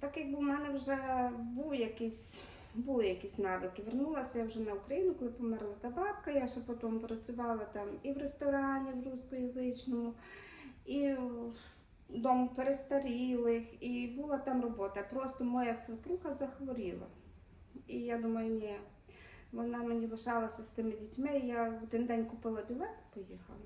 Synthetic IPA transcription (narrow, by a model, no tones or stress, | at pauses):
t̪akɪbuwmɛnɛwʒɛbuwjɐkisʲ | bulˠɪjɐkisʲnɑʋɪkɪʋernulˠɐsʲɐjawʒɛnɐukɾɐjinʊkɔlˠɪpɔmɛrlˠɐt̪ɐbɑpkɐjaʒɛpɔt̪ɔmpɾɐt͡sʲʊʋɑlˠɐt̪ɑmiwrest̪ɔɾɑnʲiwruskʊjɐzɪt͡ʃnɔmʊ | i | d̪ɔmʊpeɾest̪ɐɾʲilˠɪxibulˠɑt̪ɑmrɔbɔt̪ɐpɾɔst̪ɔmɔjasɐpɾuxɐzɐxʋɔɾʲilˠɐ̰ | ijad̪umɐjʊnʲɛ | ʋɔnɑmenʲilˠɪʃɑlˠɐsʲɐst̪ɪmɪdʲitʲmɪjaɔd̪ɪnd̪ɛnʲkʊpɪlˠɐbʲɪlˠɛt̪ɪ̥pɔjixɐ̰lˠɐ